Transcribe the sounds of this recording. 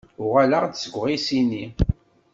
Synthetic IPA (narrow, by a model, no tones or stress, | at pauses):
ʊʁaləʁd̪səɡʷʁisinːi